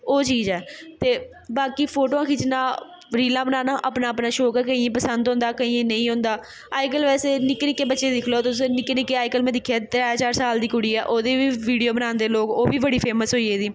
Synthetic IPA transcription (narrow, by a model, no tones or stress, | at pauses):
oːt͡ʃiːzɛːt̪eː | baːkiːpʰoːʈoːãːkit͡ʃnaː | ɾiːlãːbənaːnaːʔapnaːəpnaːʃoːkɛːkəĩːẽpəsənd̪ɦõːnd̪aːkəĩːẽːnə̃ĩːɦʊ̃ːnd̪aː | aːɪk̬əlʋɛːseːnɪkːnɪkːeːbətːʃeːd̪ɪkʰloːt̪ʊʊsẽːnɪkːenɪkːeːaːɪkəlmɛ̃ːd̪ɪkʰjaːt̪ɾɛːt͡ʃaːɾsaːld̪iːkʊɽiːɛːʔoːd̪eːʋiːʋiːɖijoːbənãːnd̪eːloːkoːbiːbəɽiːpʰeːməsɦoːieːd̪iː